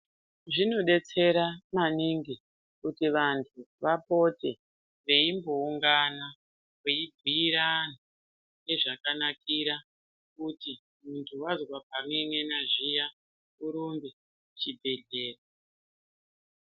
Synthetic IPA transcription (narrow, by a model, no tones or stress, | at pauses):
ʐino̞ɗe̞t͡se̞ɾamaniŋɡi | kutiʋantʰuʋapo̞te̞ | ʋe̞imbo̞uŋɡana | keibʱiːɾana | neʐakanakiɾa | kuti | muntʰuwazwap̚amweŋenaʐija | uɾumbe | t͡ʃibʱe̞ɮeːra